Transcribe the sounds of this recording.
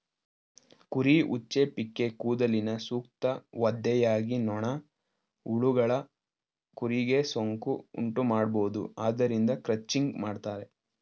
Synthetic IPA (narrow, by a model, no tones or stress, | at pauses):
kuɾiʔut͡ʃːepikːe̞kuːd̪ɐlinɐsuːkt̪ɐʋɐd̪ːɛjaːɡinɔɳɐ | uɭuɡɐɭɐ | kuɾiɡe̞soŋkuṵɳʈumaːɽbo̞ːd̪ṵaːd̪ɐɾind̪ɐkɾɐt͡ʃːiŋɡmaːɖt̪aːɾe̞